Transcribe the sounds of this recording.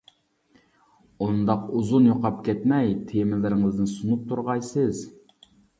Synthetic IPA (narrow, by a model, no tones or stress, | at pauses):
und̪ɑquzunjoqɑpkʲʰɛt̪mɛjt̪ʰemɪlɪɾɪŋɨzd̪ɪnsunup̚t̪ʰuɾʁɑjsɨz